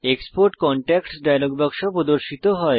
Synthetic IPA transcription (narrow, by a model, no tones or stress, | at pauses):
ekspoɾʈkɔɳʈɛkʈsɖajlɔɡbʱakʃɔpɾɔd̪oɾʃit̪ɔɦɔe